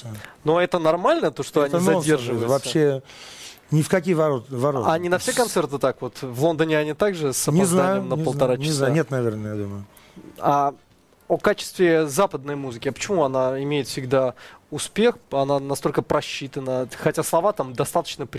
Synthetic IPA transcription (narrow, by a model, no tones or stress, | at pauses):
noɛt̪ənɐrmalʲnət̪o̞ʂt̪oɐnʲizɐdʲerʐɨvəvɐpsɕːe | nʲɪfkɐkʲijvɐot̪vɐɾoɐnʲɪnɐfsʲekɐnt̪sɛrt̪ɨt̪akvo̞t̪vlˠo̞nd̪ənʲɪɐnʲit̪aɡʐɨsənʲɪznajʲɪjmnəpəlˠt̪ɐɾant͡ɕʲɪszanʲet̪nɐvʲernəjad̪uməjʊ | a | okat͡ɕɪ̥st̪vʲɪzapəd̪nəjmuzɨkʲɪɐpə̥t͡ɕɪmuɐnaɪmʲejɪt̪fsʲɪɡd̪aʊspʲe̞xɐnanɐst̪o̞lʲkəpɾɐɕːit̪ənəxɐtʲaslˠɐvat̪amd̪ɐst̪at̪ə̥t͡ɕnəpɾʲ